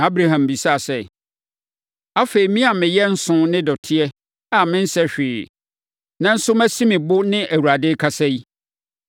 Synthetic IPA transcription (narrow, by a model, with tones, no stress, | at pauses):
a˦bɾa˨ɦã˨mbi˨sa˦˨sɛ˦ | a˦fe˨i˨mĩ˦a˨mɪ̃˨jɛ˦n̩˦sʊ̃˦nɪ̃˦dɔ˨tʰɪ˦ɛ˦ | a˨mɪ̃˦n̩˦sɛ˦ɕᶣɪː˨ | nã˦˨n̩˦sʊ˦mæ̃˦si˦mɪ̃˨bʊ˦nɪ̃˦ʔæ˨wu˨ɾa˨dɪ˦kʰa˦sɛ˦i˦